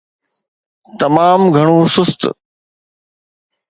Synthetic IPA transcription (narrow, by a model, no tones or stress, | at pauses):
t̪ɐmaːmɡʱɐɽ̃oːsʊst̪